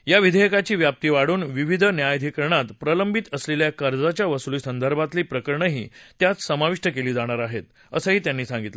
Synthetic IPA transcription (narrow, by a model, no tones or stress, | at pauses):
jaʋid̪ʱəjəkat͡ɕiːʋjap̚t̪iːʋaɽuːnʋiʋid̪ʱnjajəd̪ʱikəɾɳ̃at̪pɾələmbʱit̪əsleljakəɾd͡zat͡ɕjaʋəsliːsənd̪ʱəɾbʱat̪liːpɾəkəɾɳəɦḭːt̪jat͡ssəmaʋiʂʈəkeliːd͡zaɽ̃aɾaɦet̪ | əsəɦiːt̪janːiːsãŋɡit̪lə